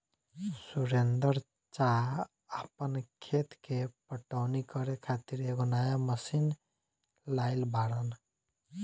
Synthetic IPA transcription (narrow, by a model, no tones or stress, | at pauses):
suɾend̪əɾ | t͡ʃa | əpənkʰet̪kepəʈaʊnikɔɾekʰat̪iɾeɡonajaməsin | laɪlbaɽən